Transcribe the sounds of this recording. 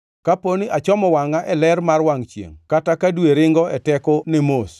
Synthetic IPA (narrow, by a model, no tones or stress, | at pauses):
kaponiʔat͡ʃɔmɔwaŋaʔɛlɛɾmarwaŋt͡ʃjḛŋkatakadweɾɪŋɡɔɛtɛkɔnɪmos